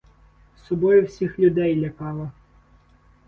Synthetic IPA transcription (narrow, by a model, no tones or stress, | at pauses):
sɔbɔjʊwsʲixlʲʊd̪ɛjlʲɐkɑlˠɐ